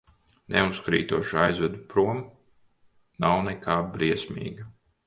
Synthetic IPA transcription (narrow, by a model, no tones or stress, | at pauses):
nʔɛuskɾḭːt̪uɔʃuajzvɛd̪upɾuɔm | nawnɛkʰaːbɾiɛsmʲḭːɡa